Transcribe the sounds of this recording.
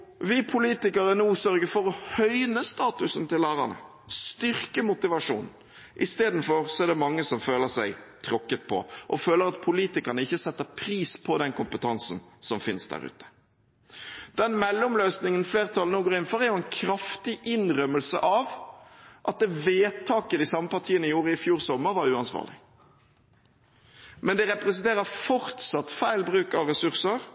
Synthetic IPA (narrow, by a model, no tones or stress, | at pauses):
ʋɪpʰʊliːt̪ɪkɑɾənuːsœɾɡəfɔɾɔhœʏnəst̪ɑːt̪ʉsnt̪ɪlːæːʁɑ̰nə̰ | st̪ʏʁkəmʊt̪ɪʋɑʂuːn | ʔɪst̪eːd̪n̩fɔɾsɔɛɾd̪ɛmɑŋːəsɔmføːləsæɪt̪ʰɾɔkːət̪̚pʰɔ̰ʔɔføːləɾɑt̪̚pʰʊliːt̪ɪkɑɾnəɪçːəsɛt̪ːəpʰɾiːspʰɔd̪ɛnkʊmpət̪ʰɑnsn̩sɔmfɪnsd̪æ̰ːɾʉ̰ːt̪ʰə̥ | d̪̥ɛnmɛlːɔmløːsnɪŋənfleːʁt̪ʰɑlənoːɡoːɾɪn̩fɔʁæɾjʊɛnkʰɾɑft̪ɪʔɪnʁœməlsə̰ʔɑʋ | ʔɑt̪̚d̪ɛʋeːt̪ʰɑːkəd̪ɪsɑməpɑʁt̪ʰiːənəɪjuːɾəɪfjuːɾsɔmːəɾʋɑɾʉːɑnsʋɑ̰ːʁlɪ | mɛnd̪ɛʁɛpʁɛsɛnt̪ʰeːʁəfɔʁt̪sɑt̪ːfæɪlbʁʉːkɑʋʁɛsʉʁsəɾ